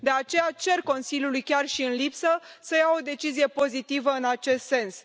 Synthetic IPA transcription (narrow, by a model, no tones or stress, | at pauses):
d̪e̞at͡ʃe̞jat͡ʃe̞rko̞nsiljulujkʲarʃiɨnlipsəsəjawo̞d̪e̞t͡ʃizije̞po̞zit̪ivəɨnat͡ʃe̞st̪se̞ns